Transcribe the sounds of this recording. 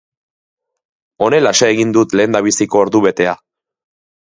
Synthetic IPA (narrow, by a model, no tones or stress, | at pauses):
o̞ne̞laʃaeɣ̞ind̪ut̪le̞ːnd̪aβ̞isiko̞ːɾðuβe̞t̪e̞a